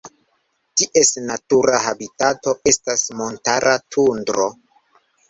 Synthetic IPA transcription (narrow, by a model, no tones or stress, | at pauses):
tiʔe̞snatuɾaɦabitato̞ʔe̞stasmo̞ntaɾʔatʰundɾo̞